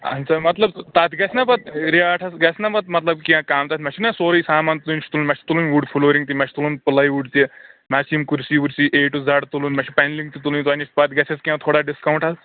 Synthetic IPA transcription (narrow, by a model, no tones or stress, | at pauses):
ɐ̰nsamɐt̪lɐb̚t̪at̪ɡɛsnapɐt̪̚ɾiaːʈʰasɡɛsnapɐt̪̚mɐt̪lɐbkiãkaːmt̪at̪mɛt͡ʃʰinasoɾisaːmant̪ulunʲt͡ʃʰit̪ulunmɛt͡ʃʰit̪ulunʋuɖfʰuloːʋɾiŋɡt̪̬imɛʃʰi̥t̪uluːnpɨlaiʋuɖt̪iemasimkuɾsiʋuɾsiːʔeːʈud͡zaɽt̪ulunmɛʃʰipɛnliŋɡ̚t̪it̪ulunt̪anit͡ʃpat̪ɡɛseskiãt̪ʰoːɽaɖiskawɳʈas